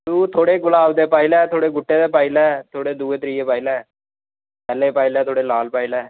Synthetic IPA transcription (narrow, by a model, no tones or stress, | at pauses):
t̪uːt̪ʰoːɽeːɡʊlaːbd̪eːpaːilɛːt̪ʰoːɽeːɡʊʈːeːd̪eːpaːɪlɛːt̪ʰoːɽeːd̪uːeːt̪ɾiːeːpaːilɛː | pɛːleːpaːɪlɛːt̪ʰoːɽeːlaːlpaːilɛː